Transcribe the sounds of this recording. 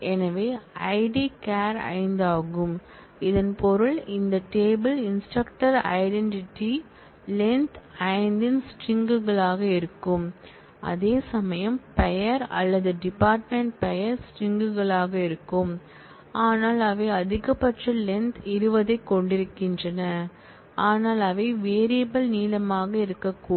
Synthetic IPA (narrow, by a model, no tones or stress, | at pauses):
ɛnɐʋeːɐɪɖikaːɾɐ̰ɪnd̪aːɣɯm | ɪðɐnpɔɾɯɭɪnd̪ɐʈeːbɪlɪnsʈɐkʈɐɾɐ̰ɪɖɛɳʈɪʈːi | lɛnt̪ɐɪnd̪ɪnsʈɪŋɡɯɣɐɭaːɣɐɪɾɯkːɯm | ʔɐ̰ðeːsɐmɐjɐmpɐjɐɾɐ̰lːɐðɯɖɪpaːɾʈmɛɳʈ̚pɐjɐɾsʈɪŋɡɯɣɐɭaːɣɐɪɾɯkːɯm | ʔaːnaːlɐʋɐɪɐðɪɣɐpːɐʈrɐlɛnt̪ɪɾɯʋɐðɐɪkːɔɳɖɪɾɯkːɪndrɐnɐ | aːnaːlɐʋɐɪʋeːɾɪjɐbɐlniːlɐmaːɣɐɪɾɯkːɐkːuː